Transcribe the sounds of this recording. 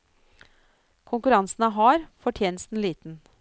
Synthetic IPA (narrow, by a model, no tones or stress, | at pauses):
kʰʊŋkʉɾɑnsn̩əɦɑːɾfɔʈʰjeːnəst̪n̩liːt̪n̩